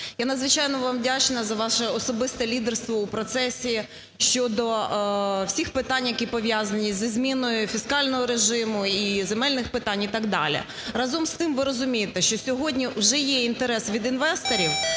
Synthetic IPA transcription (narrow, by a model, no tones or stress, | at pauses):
janɐd̪zʋɪt͡ʃɑjnɔʋɑmdʲat͡ʃnɐzɐʋɑʃɛɔsɔbɪst̪ɛlʲid̪erst̪ʋɔupɾɔt̪sɛsʲi | ʃt͡ʃɔd̪ɔ | wsʲixpɪt̪ɑnʲjɐkʲipɔʋʲjazɐnʲizizʲmʲinɔjʊfʲiskɑlʲnɔɦɔɾeʒɪmʊizemɛlʲnɪxpɪt̪ɑnʲit̪ɑɡd̪ɑ̰lʲḭ | ɾɑzɔmst̪ɪmʋɪɾɔzʊmʲijet̪ɛʃt͡ʃɔsʲɔɦɔdʲnʲiwʒɛjɛint̪eɾɛsʋʲid̪inʋɛst̪ɔɾʲiw